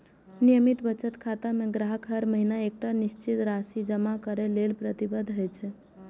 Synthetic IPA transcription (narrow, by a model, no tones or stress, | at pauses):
nijəmit̪bət͡ʃət̪kʰat̪amẽɡɾaɦəkʰɦəɾməɦinaek̚ʈaniʃt͡ʃit̪ɾasid͡ʒəmakəɾelelpɾət̪ibəd̪ʱɦojt͡ʃʰɛ